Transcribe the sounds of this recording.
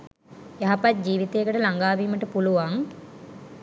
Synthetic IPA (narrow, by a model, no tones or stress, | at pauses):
jaɦapat̪̚d͡ʒiːʋit̪ejːkəʈəlaŋɡaːʋiːməʈəpuluʋaŋ